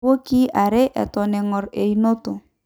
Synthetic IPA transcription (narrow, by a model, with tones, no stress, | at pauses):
o˦ki˦ʔa˨ɾe˦ʔɛ̰˨tɔ˨nɛ˨ŋɔ˨ɾe˨i˨no˦to˨